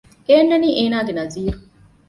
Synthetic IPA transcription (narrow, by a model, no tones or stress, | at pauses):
eːnːɐniːʔeːnaːɡenɐziːɾu